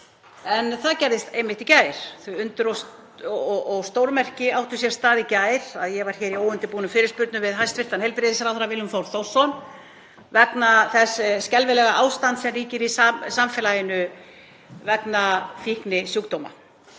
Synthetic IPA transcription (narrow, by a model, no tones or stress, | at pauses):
ɛnθaðcɛjɾðɪst̪ejmːɪht̪icaːjɾ̥θʏʏnt̪ʏɾɔ | ɔʔɔɣst̪owɾmɛr̥cɪawht̪ʏsjɛɾst̪aːðɪcaːjɾ̥aðjɛɣvaɾ̥çɛːɾiowʏnt̪ɪpuːnʏmfɪːɾɪɾ̥spʏɾt̪nʏvɪðɦajst̪vɪr̥t̪anhejlpɾɪðɪsaɾawθaɾavɪlːʏmθowɾ̥θowɾ̥sɔn | vɛt̪naθɛsscɛlvɪlɛɣaʔaːwst̪ant̪sɛmriːcɪɾisasamfɛlajɪnʏ | vɛknafihknɪsjukt̪owma̰